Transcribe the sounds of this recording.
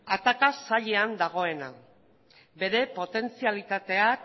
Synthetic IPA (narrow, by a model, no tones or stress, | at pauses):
at̪akasaʎe̞and̪aɣ̞o̞e̞na̰ | be̞ɾe̞po̞t̪e̞nt͡sialit̪at̪e̞ak